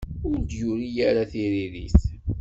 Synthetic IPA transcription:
ʊɾd̪jʊɾijæɾaθiɾiɾḭθ

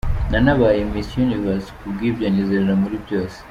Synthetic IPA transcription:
nanaβajemisjunivaskuɡibɟaɲezeɾeɾamuɾibjoːse̥

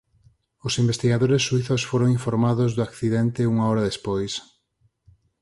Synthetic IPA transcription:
ʊsimbest̪iɣaðoɾesːuiθosfoɾoŋiɱfoɾmaðʊzðʊakθiðɛnt̪ɪuŋaɔɾɐðespojs

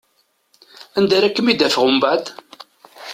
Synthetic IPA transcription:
ænd̪æɾækːəmid̪æfəʁəmbaʕd̪

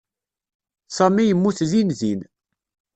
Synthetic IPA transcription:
sɑmijəmːuθðinðin

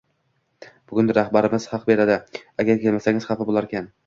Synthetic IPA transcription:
b̥ʊɡʊnd̪aɾahbaɾɪmɪz̥hɑq̚be̞ɾad̪ɪaɡʲaɾkʲe̞lmasaŋʲɪz̥χafabolˠaɾkʲan

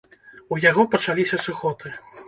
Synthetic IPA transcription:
ujaɣɔpɐt͡ʂalʲisʲɐsuxɔt̪ɨ

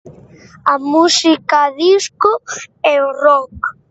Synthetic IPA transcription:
amusikaðiskʊɛorɔk

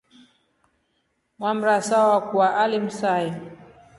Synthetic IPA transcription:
mwam̩ɾasawawakuwaʔalim̩saji

